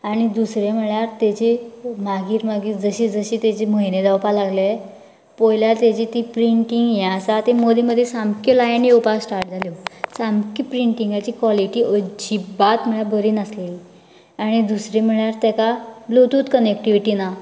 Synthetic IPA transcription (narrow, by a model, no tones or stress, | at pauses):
aɽ̃id̪usɾjem̤əɭjaɾt̪et͡ɕimaɡiːɾmaɡiːɾd͡zəɕid͡zəɕit̪et͡ɕiməɦined̪awpalaɡle | pojljaɾt̪jat͡ɕit̪iːpɾiɳʈiŋɡjãsat̪emod̪iməd̪ʱːjesamkɔlajanːiupasʈaɾʈ̚d͡zʱalisamkipɾiɳʈiŋɡat͡ɕiːkʋaliʈiːʔəd͡ʑibat̪m̤əɭjabəɾiːnəsleli | aɽ̃id̪usɾem̤əɭjaɾt̪jɛkablot̪uːt̪kənek̚ʈiʋiʈina